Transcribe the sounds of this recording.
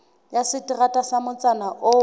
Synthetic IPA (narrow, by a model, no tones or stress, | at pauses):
jasɪtʼiratʼasamʊt͡sʼanaʔʊ